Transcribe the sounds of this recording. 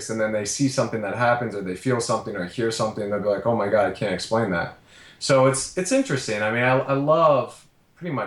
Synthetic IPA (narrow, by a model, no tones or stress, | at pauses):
stɨ̃nðɨ̃nðeɪsisʌ̃mθɪ̃ŋðɨt̚ɦæpɨ̃nzə˞ðeɪfilˠsʌ̃mθɪ̃ŋə˞hiɹsʌ̃mθɪ̃nðe˞bilaɪkoʊmaɪɡɑɾaɪkʰæ̃ntɨksplẽɪ̃nðæ̰t̚ | soʊɨtsɨtsɪ̃nt͡ʃɹ̥ɨstɪ̃ŋaɪmĩnaɪa̰ɪlʌv̥ʰ | ɹ̥ɪɾɪ̃ŋmʌɪ